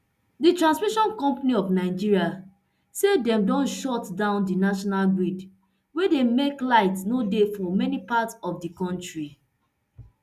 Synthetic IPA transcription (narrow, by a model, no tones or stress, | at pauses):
ditɹãnsmiʃɔ̃nkɔ̃mpaniɔvnaɪd͡ʒiɹia | sedɛ̃mdɔ̃nʃɔtdãʊ̃ndinaʃɔnalɡɹid | wedemeklaɪtsnodefɔmɛnipatsɔfdikɔ̃ntɹi